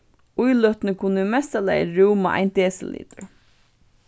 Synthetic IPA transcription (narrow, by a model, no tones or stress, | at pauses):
ujlœht̪nɪkʰʊnːmɛst̪ala̰jɹuwma̰ʔa̰jnt̪eːsɪlḭːt̪ʊɹ